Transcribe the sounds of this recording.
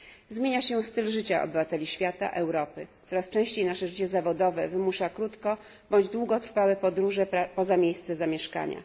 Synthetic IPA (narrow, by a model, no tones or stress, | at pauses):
zmʲjeɲaɕɛst̪ɘlʐɘt͡ɕaʔɔ̰bɘvat̪ɛlʲiɕfʲjat̪a̰ʔɛwɾɔpɘsɔɾast͡ʂɛ̃w̃ɕt͡ɕejnaʂɛʐɘt͡ɕɛzavɔd̪ɔvɛvɘmuʂakɾut̪kɔ | bɔɲd͡ʑd̪wuɡɔt̪ɾfawɛpɔd̪ɾuʐɛpɔzamʲjejst̪sɛzamʲjɛʂka̰ɲa̰